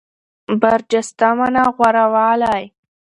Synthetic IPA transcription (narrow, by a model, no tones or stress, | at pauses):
baɾd͡ʒast̪amanaɣwaɾawɑːlaj